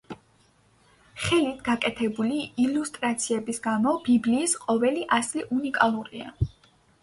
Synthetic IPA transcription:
χɛlit̪ʰɡakʼɛt̪ʰɛbuliːlust̪ʼɾat̪sʰiɛbisɡamɔbibliːsqʼɔvɛliʔasliʔunikʼalˠuɾia̰

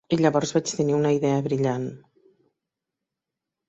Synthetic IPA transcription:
iʎəβɔrzβat͡ʃt̪əniunəiðɛəβɾiʎan

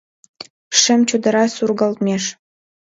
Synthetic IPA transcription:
ʂɘ̆mt͡ɕud̪ɤ̆ɾɑsurɡə̆lt̪mʲeʃ

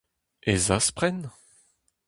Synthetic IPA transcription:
ezaspχɛn

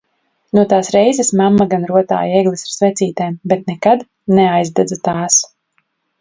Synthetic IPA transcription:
nuɔt̪aːsɾɛjzɛsmamːaɡanɾuɔt̪a̰ːjɛɡlˠisaɾ̥svɛt̪siːt̪ɛːmbɛt̪nɛkad̪ | nɛajzd̪ɛd̪zat̪aːs

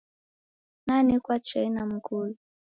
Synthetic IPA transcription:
nanikwat͡ʃainam̩kulu

